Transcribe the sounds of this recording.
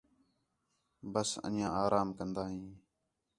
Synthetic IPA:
bəsə̰njãːaːɾʔaːmkənd̪aːɦĩː

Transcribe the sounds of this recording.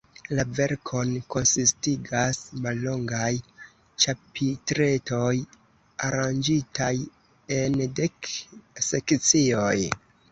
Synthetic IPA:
lave̞ɾkʰo̞nko̞nsistiɡasmalːo̞ŋɡaj | t͡ʃapitɾe̞to̞j | aɾand͡ʒitʰaj | e̞nde̞kse̞kt͡sio̞j

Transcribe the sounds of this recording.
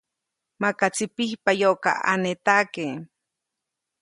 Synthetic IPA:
makat͡sipihpajoʔka̰a̰net̪ake

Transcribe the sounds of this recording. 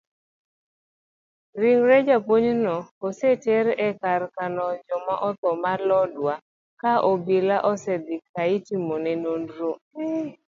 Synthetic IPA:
ɾiŋɾɛd͡ʒapoɲnɔosetɛɾɛkaɾkanɔd͡ʒɔmaʔɔt̪ɔmalɔdwa | kaʔobilaʔɔsɛd̪ɪkaitimonɛnondɾo

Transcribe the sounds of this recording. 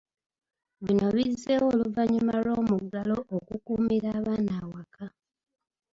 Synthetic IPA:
βino̞βize̞wo̞ːluvaɲumalo̞ːmuɡalo̞ʔːkukuːmiɾaːβaːnaːwakʰa

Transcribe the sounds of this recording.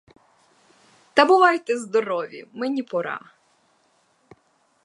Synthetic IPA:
t̪ɐbʊʋɑjt̪ɛzd̪ɔɾɔʋʲḭmenʲipɔɾɑ̰

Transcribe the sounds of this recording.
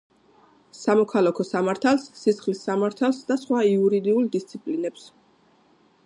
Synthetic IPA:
samɔkʰalˠakʰɔsamaɾt̪ʰalˠsːisχlisːamaɾt̪ʰalˠsd̪asχwaiuɾid̪iulˠd̪ist̪sʰipʼlinɛps

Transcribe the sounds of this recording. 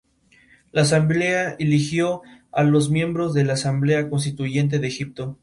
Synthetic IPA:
laːs̬amble̞aelixjo̞alo̞zmje̞mbɾo̞zðe̞laːsamble̞ako̞ns̬t̪it̪uʝe̞nt̪̬e̞ðexip̚t̪o̞

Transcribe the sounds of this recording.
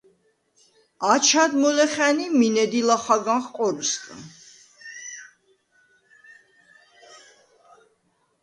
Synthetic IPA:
at͡ʃʰad̪mɔlɛχɛniminɛd̪ilaχaɡaχqʼɔɾusk̪ʼ

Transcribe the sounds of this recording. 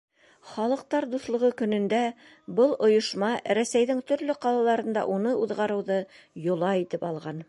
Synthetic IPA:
χɑlˠɤ̆q̚t̪ɑɾd̪uθlˠɤ̆ʁɤkɵ̆nɵ̆nd̪æ | bɤlˠŏjŏʃmɑɾæsæjðɘŋt̪ɵ̆ɾlɵqɑlˠɑlˠɑɾɤ̆nd̪ɑ̰ʔunɤuðʁɑɾɤ̆wðɤ | jŏlˠɑit̪ɘpɑlˠʁɑn

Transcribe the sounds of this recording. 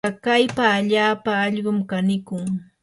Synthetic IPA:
ɑkajpaːʎaːpaːʎɢʊmkanɪkʊŋ

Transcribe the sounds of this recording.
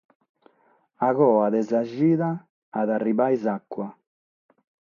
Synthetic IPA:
aɣɔːaðɛzaʒiːðaː | ðarːiβajzakːwa

